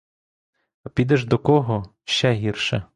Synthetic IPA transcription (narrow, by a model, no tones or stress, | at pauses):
ɐpʲid̪ɛʒd̪ɔkɔɦɔ | ʃt͡ʃɛɦʲirʃɐ